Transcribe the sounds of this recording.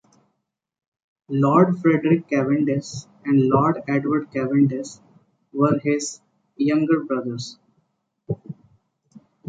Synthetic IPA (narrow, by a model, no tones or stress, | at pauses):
lɔːɾɖfɾeɖɾɪkːæʋɪ̃ɳɖes | ɛ̃ɳɖlɔːɾɖɛɖʋəɾɖkæʋɪ̃ɳɖes | ʋəɾɦɪz | jʌ̃ŋɡəɾbɾʌd̪əɾs